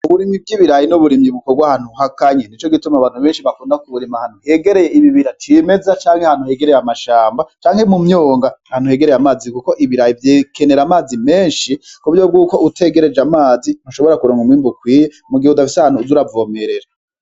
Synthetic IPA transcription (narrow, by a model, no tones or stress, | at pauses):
uβuɾimib̚ɡiːβiɾajinuβuɾimiβukobɡwahaːn̥uhakaɲen̥it͡ʃo̞ɡitumaβaːnhuβeːnʃiβakuːndakuβuɾimahaːn̥uhe̞ɡe̞ɾe̞jeiβiβiɾatʰime̞zat͡ʃaːŋhehaːn̥huhe̞ɡeɾejamaʃaːmbat͡ʃaːŋhemumɲoːŋɡahaːnuhe̞ɡe̞ɾejamaːzikuko̞ʔiβiɾajivjeːke̞ne̞ɾamaːzime̞ːnʃikuβuɾjob̚ɡuːko̞ʔutʰe̞ɡe̞ɾe̞d͡ʒamaːzinoʃo̞βo̞ɾakuɾoːŋɡumiːmbukwiːjemuɡihedafisehaːnhuzuɾavoːme̞ɾeɾa